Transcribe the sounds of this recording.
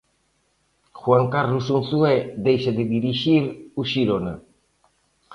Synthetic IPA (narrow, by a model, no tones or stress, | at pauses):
xwaŋkarlusunθued̪ejʃad̪ediɾiʃiɾuʃiɾona